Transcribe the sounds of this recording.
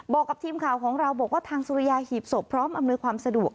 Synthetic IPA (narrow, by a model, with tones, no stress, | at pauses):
bɔː˨˩kːa˨˩p̚t̪ʰiː˧mkʰaː˨˩wkʰɔː˩˦ŋɾa˧wbɔː˨˩k̚waː˥˩t̪ʰaː˧ŋsuː˧ɾi˧˥jaː˧hiː˨˩p̚so˨˩pʰːɾɔː˦˥mʔa˧mnuː˧jkʰwaː˧msa˧du˨˩ək̚